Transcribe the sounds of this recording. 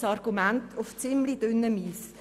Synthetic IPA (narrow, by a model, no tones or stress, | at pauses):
sɑrɡ̥umæntʰʊft͡sɪmlid̥ʏnːəmiːs